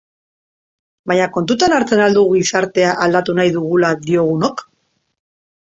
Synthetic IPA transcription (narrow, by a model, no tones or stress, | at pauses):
baɲako̞nt̪ut̪anaɾt͡se̞nald̪uɣuɣisaɾt̪e̞aʔald̪at̪unajðuɣ̞ulad̪io̞ɣ̞uno̞k